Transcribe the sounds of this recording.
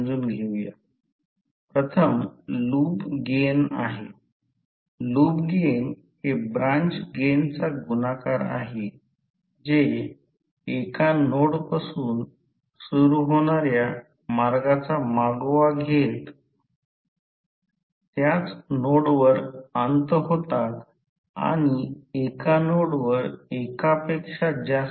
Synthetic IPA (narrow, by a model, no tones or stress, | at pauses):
d͡zuːnɡʱeʋja̰ | pɾət̪ʰəmluːbɡena̰ɦe | luːbɡen | ɦebɾant͡ɕɡent͡saɡunakaɾa̰ɦe | d͡ze | ekanoɽpasuːn | suɾuɦoɽ̃aɾja | maɾɡat͡samaɡʋaɡʱet̪ | t̪jat͡snoɽʋəɾənt̪ɦot̪at̪ | a̰ɽ̃iekanoɽʋəɾekapekʂad͡ʑas